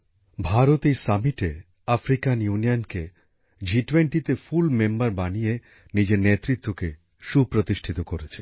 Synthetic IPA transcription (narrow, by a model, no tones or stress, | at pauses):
bʱaɾot̪ejsamiʈe | afɾikanjunijonke | d͡ʑiʈweɳʈit̪efulmembaɾbanije | nid͡ʑeɾnet̪ɾit̪ːoke | ʃupɾot̪iʃʈʰit̪okoɾet͡ɕʰe̥